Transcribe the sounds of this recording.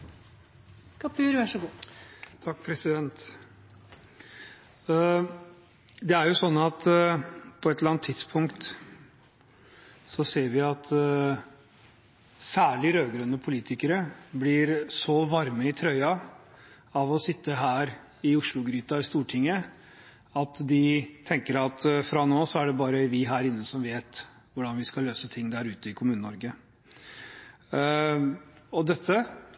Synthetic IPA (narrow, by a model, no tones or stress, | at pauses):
kʰɑpʰʉːɾʋæʂəɡuːt̪ʰɑk̚ːpʰɾɛsɪd̪ɛnt̪ | d̪ɛæɾjʊsɔnːɑt̪ | pʰɔɛt̪ləɾɑnt̪ʰːɪd̪spʰʊŋkt̪ | sɔseːɾʋɪɑt̪ | sæːɭɪɾøːɡɾœnːəpʰʊliːt̪ʰɪkəɾəblɪɾsɔʋɑɾməɪt̪ʰɾœʏɑ | ɑʋɔsɪt̪ːəɦæːɾ | ɪʊʂɭʊɡɾyːt̪ɑɪst̪uːʈʰɪŋːə | ɑt̪d̪ɪt̪ʰɛŋkəɾɑt̪fɾɑnoːsɔæɖɛbɑːɾəʋɪɦæːɾɪnːəsɔmʋeːt̪ | ʋʊɖɑnʋɪskɑløːsət̪ʰɪŋːd̪æɾʉːt̪əɪkʰʊmʉːnənɔɾɡə | ɔd̪ɛt̪ʰːə